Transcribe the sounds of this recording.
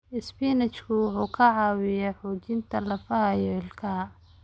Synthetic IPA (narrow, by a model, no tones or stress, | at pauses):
ɪspinɛt͡ʃkʰʊwʊħuːkʰɐʕɑːwɪjɐħɔːt͡ʃɪnt̪ʰɐlɐfɐɦɐjɔɪlkʰɐ